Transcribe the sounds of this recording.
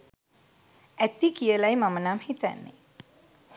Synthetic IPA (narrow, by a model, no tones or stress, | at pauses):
æt̪ikijəlajmamənamhit̪æ̰nːḛ